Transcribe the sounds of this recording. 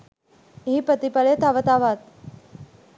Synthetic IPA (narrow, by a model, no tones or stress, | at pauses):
ɦiːpət̪ipaɭet̪aʋət̪aʋat̪